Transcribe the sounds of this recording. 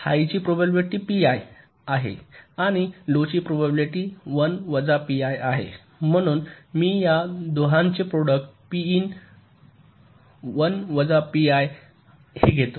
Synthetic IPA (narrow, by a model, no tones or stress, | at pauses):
ha̰jt͡ɕiːpɾobabliʈiːpiaj | aɦḛaɽ̃ilot͡ɕiːpɾobabiliʈiʋənʋəd͡zapiajaɦḛ | m̤əɽ̃uːnmiːjad̪oɦãɲt͡ɕepɾoɽək̚ʈ̚piiːn | ʋənʋəd͡zapiaj | heɡʱet̪o